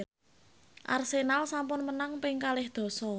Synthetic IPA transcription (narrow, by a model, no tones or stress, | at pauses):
ʔa̰rsenalsampʊnmənaŋpɪŋkalɪhd̪̥ɔ̤sɔ